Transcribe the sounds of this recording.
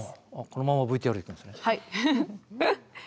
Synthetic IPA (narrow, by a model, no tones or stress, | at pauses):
konomãmːabɯ̟it̪ejoɾikɯ̃nesɨnehai